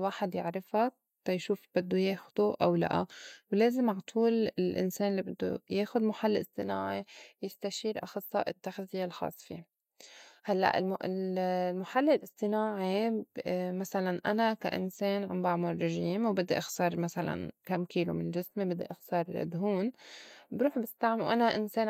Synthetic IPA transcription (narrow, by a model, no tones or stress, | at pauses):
waːħɪd̪jɪʕɾˤɪfa | t̪ɑjʃuːfb̥ɪd̪ːujeːxʊd̪uʔawla̰ʔa̰wleːzɪmaʕt̪ʰuːlɪlʔɪ̰nseːnlːibɪd̪ːṵjeːxʊd̪mʊħalːɪsˤt̪ˤɨnaːʕijɪst̪aʃiːɾʔɑxɑsˤːɑ̰ʔɪt̪ːaxzɪjːalxɑ̰ːsˤfḭ | halːa̰ʔɪ̰lʔlmʊħalːɪlʔɪsˤt̪ˤɪnaːʕi | masalanʔanaka̰ʔɪ̰nseːnʕambaʕmʊrːɪʒiːmwbɪd̪ːiʔɑxt̪ɑːɾˤmasala̰nkamkiːlṵmɪnʒɪsmibɪd̪ːiʔɑxt̪ɑːɾˤɪlʔɪ̰d̪ɦuːnbɾuːħbɪst̪aʕmwʔanaʔɪnseːn